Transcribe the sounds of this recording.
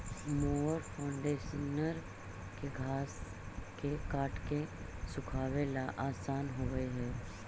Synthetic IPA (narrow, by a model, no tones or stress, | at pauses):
moːɾpʰãːɳɖeːʃənəɾ | keɡʱaːs | kekaːʈʰkesʊkʰaːʋelaʔaːsaːnɦoːɡəeɦɛː